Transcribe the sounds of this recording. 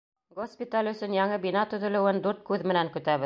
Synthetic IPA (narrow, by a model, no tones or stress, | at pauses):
ɡospʲit̪alʲɵ̆sɵnjɑɴɤbinɑt̪ɵ̆ðɵ̆lɘ̆wɘnd̪ʉɾt̪̚kʉðmɘ̆næŋkɵ̆t̪æβɘ